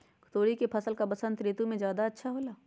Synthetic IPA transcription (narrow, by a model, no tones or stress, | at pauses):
kʰʊ̥t̪oːɽikepʰɐsəlkabɐsə̃nt̪ɾeːt̪umẽd͡ʒjaːd̪aɐtːʃʰaɦoːlaː